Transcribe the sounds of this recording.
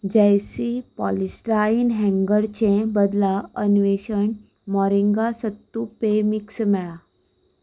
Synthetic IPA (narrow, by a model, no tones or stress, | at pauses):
d͡ʑejsipɔlisʈɾainɦɛ̃ŋɡəɾt͡ɕẽbəd̪laənʋeɕəɳ | mɔɾiŋɡasət̪ːupemiksmɛɭa